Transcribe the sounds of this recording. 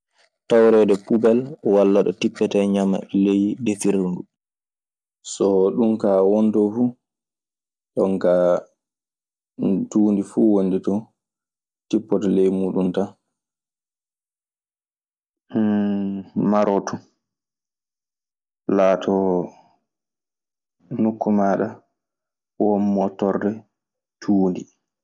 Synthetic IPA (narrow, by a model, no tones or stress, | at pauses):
tawɾɛːdɛpubɛlwalːaɗɔ̰tipːɛtɛɲama̰lejdefiɾundu | sɔɗumkawɔntɔfu | ɗɔŋka | tuːndifuːwonditɔ | tipːɔtalejmuːɗumta | maɾɔtʰɔ | laːtʰɔ | nukːumaːɗa | wɔmːɔtɔrdɛ | tʰuːndi